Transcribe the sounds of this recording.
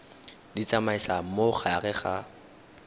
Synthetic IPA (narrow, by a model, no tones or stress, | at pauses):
dit͡samaisam̩moχaaɣɛχa